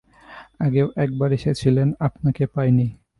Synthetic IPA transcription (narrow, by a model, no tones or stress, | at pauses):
aɡeoʔɛk̚baɾeʃet͡ɕʰilenapnakepajni